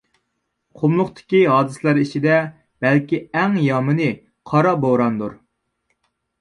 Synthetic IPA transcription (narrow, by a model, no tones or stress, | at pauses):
qʰomlˠʊqt̪ʰɪ̥kʲiɦɑːd̪ɨslæɾit͡ʃʰid̪ɛ | b̥ɛlkʲiɛŋjɑmɨnɨ | qʰɑɾɑboɾɑnd̪uɾ